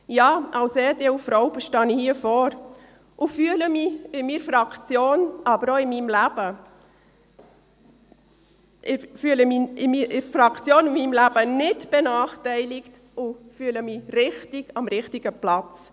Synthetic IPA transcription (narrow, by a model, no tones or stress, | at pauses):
jɑːʔɑwsɛːtɛufɾɔʊbəʃtɑnihiəfɔːɾ | ʔʊfyələmiɪmiɾfɾɑkt͡sjoːnʔɑbəɾoɪmiːmlæb̥ə | ɪfyələmiɪmiɪɾfɾɑkt͡sjoːnɪmiːmlæb̥ənɪtb̥ɛnɑːχtɛɪlɪkt | ʊfyːələmiɾɪχtiɡɑmɾɪχtiɡəplɑt͡s